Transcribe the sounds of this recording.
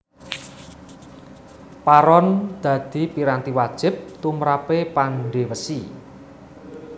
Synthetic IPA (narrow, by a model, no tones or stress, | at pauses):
paɾɔnd̪̥ä̤d̪̥i̤piɾant̪iwad̥ʒ̥ɪ̤p̚t̪umɾapepanɖewəsi